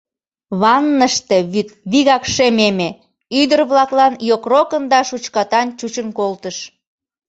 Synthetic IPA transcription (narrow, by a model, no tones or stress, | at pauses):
βɑnːəʃt̪eβiɣɑkʃememe | yd̪ərβlɑklɑnjokrokənd̪ɑʃut͡ɕkɑt̪ɑnt͡ɕut͡ɕənkolt̪əʃ